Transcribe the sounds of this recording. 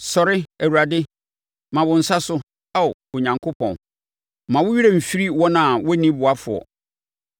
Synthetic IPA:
sɔ˨ɾɪ˦æ˨wu˨ɾa˨dɪ˦ | mã˨bʊ̃˨n̩˨sa˦sʊ˦ | a˦˨o˨ɲã˨ŋkʰo˦pʰɔ̃˨n | mã˨wʊ˦ɥi˦ɾe˦m̩˨fi˦ɾi˦wɔ̃˦nã˨wɔ˦nĩ˦bʊ˨a˦fʊ̰˨ɔ̰˨

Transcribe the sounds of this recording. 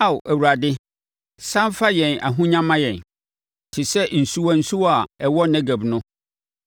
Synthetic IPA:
a˦˨wʔæ˨wu˨ɾa˨dɪ˦ | sã˦m˦fa˦jɛ̃˨na̰˨ɦũ˦ɲã˦mã˦jɛ̃˨n | tʰɪ˨sɛ˦n̩˨su˦wa˨n̩˦su˦wa˨ɛ˨wɔ˦næ̃˦ɡæ˨bnʊ̃˦

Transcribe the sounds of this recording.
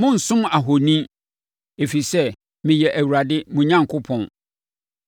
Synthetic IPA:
mʊ̃˦n̩˨sʊ̃˦ma˨ɦo˨nĩ˦ | e˨fi˨sɛ˦ | mɪ̃˨jɛ˨ʔæ˨wu˨ɾa˨dɪ˦mʊ̃˨ɲã˦˨ŋ˨kʰʊ˦pʰɔ̃˨n

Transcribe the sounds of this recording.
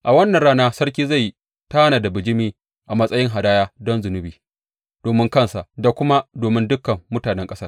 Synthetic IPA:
ʔa˨wɐ˦nːɐ˨nɽaː˦naː˦sɐ˦ɾkʲiː˦za˦˨j | taː˦naː˨da˨bɪ˨d͡ʒɪ˦miː˦ | ʔa˨mɐ˦sʼɐ˦jɪ˦ŋɦa˨daː˦jaː˦dɔ˦nzʊ˨nʊ˦biː˨ | d̥oː˨mɪ˦ŋkɐ˦˨nsa˨ʔda˨kʷʊ˦ma˦doː˨mɪ˦ndʊ˦kːɐ˨mːʊ˦taː˨nɛ˦ŋkʼɐ˦sɐ˦r

